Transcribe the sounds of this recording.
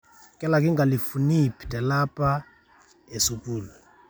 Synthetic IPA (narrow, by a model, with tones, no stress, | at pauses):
kʼɛ˦la˨k̬ʼi˦ŋɡʱa˨li˨fu˨ni˦pʰʼi̥˨tʼɛ˨lapʰʼa | e˨supʼuː˨lu